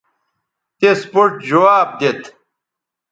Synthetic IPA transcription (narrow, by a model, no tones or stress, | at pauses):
t̪espoɾʈd͡ʑɐwaːb̚d̪et̪